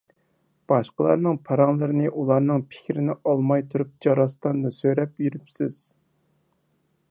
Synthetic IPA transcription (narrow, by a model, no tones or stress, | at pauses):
b̥ɑʃqəlˠɑ̰ɾnɨŋpʰɑɾɑŋlˠɨɾɨnɨʔulˠɑɾnɨŋpʰɪ̥kʲʰɾɪnɪʔɑlˠmɑjt̪ʰuɾup̚d͡ʒɑɾɑst̪ɑnd̪ɨsøɾɛpjyɾypsɪz̥